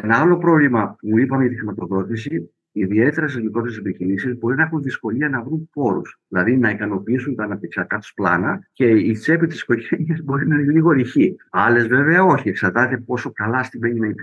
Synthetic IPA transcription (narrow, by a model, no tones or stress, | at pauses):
enɐɐlo̞pɾo̞vlimɐuipɐmeʝɐt̪ixɾimɐt̪o̞ðo̞t̪isi | iðie̞t̪e̞ɾɐst̪izmikɾo̞t̪eɾesepiçinisizbo̞ɾinɐexunðisko̞liɐnɐvɾumpo̞ɾṵsðilɐðinɐikɐno̞piisunt̪ɐːnɐp̚t̪i̥ksɐkɐt̪o̥splɐ̰nɐce̞it͡se̞pit̪i̥si̥ko̞ʝe̞niɐzbo̞ɾinɐliɣo̞ɾiçiɐle̞zve̞ve̞ɐo̞çie̞ksɐɾt̪ɐt̪epo̞so̞kɐlɐst̪imeɲinɐip